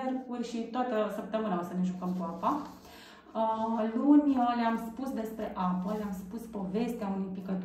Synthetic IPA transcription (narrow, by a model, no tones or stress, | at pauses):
erkurʲʃit̪oat̪əsəp̚t̪əmɨnaosəneʒukəmkuapa | əlunʲəleamspusd̪e̞spɾe̞ʔapəleamspuspo̞ve̞st̪eaunujpikət̪